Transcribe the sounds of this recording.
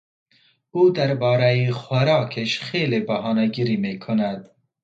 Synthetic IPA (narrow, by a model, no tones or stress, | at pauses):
uːd̪aɾbɑːɾajixaɾɑːkʰeʃχeːlebahɑːnaɡiɾimeːkʰʊnad̪